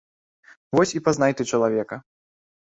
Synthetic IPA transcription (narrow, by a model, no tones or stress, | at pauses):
vɔsʲipaznajt̪ɛt͡ʂɐlˠavʲɛkɐ